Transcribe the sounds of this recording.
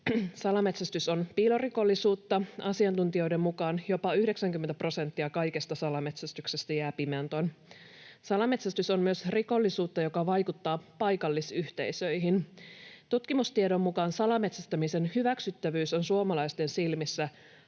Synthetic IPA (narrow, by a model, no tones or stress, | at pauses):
sɑlɑmet̪sæst̪yso̞npiloriko̞lːisuːt̪ːɑɑsiɑnt̪unt̪io̞jde̞mmukɑːnjo̞pɑyhde̞ksæŋkymːent̪æpro̞se̞nt̪ːiɑkɑjkest̪ɑsɑlɑme̞t̪sæst̪yksest̪æjæːpiment̪on | sɑlɑme̞t̪sæst̪ysommyøsriko̞lːisuːt̪ːɑjo̞kɑʋɑjkut̪ːɑːpɑjkɑlːisyht̪e̞̰isø̞jɦint̪ut̪kimust̪iedo̞mːukɑːnsɑlɑme̞t̪sæst̪æmisenhyʋæksyt̪ːæʋyːso̞nsuomɑlɑist̪e̞nsilmisːæ